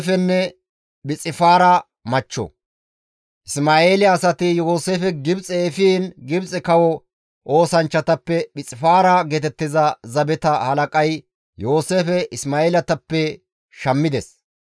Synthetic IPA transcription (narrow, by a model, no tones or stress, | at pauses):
fɛnːɛ | ɓɪt͡sʼːɪfaːɾɐ | mɐt͡ʃːɔ̰ | ʔɪsmaːe̞ːlɪɐsɐt̪ɪjoːseːfɛɡɪbt͡sʼɛfiːnɡɪbt͡sʼɛkɐwɔ | ʔo̞ːsɐnt͡ʃːɐt̪ɐpːɛbɪt͡sʼɪfaːɾɐɡet̪ɛt̪ːɪzɐzɐbɛt̪ɐhɐlɐkʼɐj | jo̞ːseːfɛʔɪsmaːeːlɐt̪ɐpːɛ | ʃɐmːɪd̪ɛs